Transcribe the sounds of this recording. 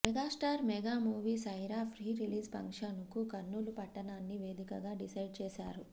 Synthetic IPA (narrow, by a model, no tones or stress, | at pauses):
mɛɡaːsʈaːɾmɛɡaːmuːʋiːsɐjɾaːpʰɾiːɾiliːspɐ̰ŋkʂɐnukukɐnːulupɐʈːɐnaːnːiʋe̞ːd̪ikɐɡaːɖisɐjɖ̚t͡ʃɛːsa̰ːɾu